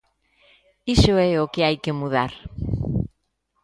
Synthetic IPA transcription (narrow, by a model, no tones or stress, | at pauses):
isoɛokeajkemuð̞aɾ